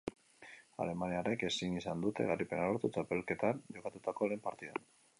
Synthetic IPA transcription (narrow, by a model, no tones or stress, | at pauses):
a̰le̞maniare̞ke̞sinisand̪ut̪e̞̰ɣaripe̞naloɾt̪ut͡ʃape̞lke̞t̪anʝo̞kat̪ut̪ako̞le̞ːmpaɾt̪iða̰n